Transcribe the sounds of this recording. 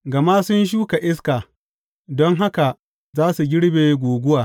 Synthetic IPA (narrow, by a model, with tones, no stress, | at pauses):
ɡɐ˨ma˦sʊ˦nʃ̬uː˦ka˨ʔɪ˦s̬ka˨ | dɔ˦ŋɦa˦ka˨ | zaː˦su˨ɡʲɪ˦ɽbeː˨˦ɡʷoː˨ɡʷʊ˦waː˨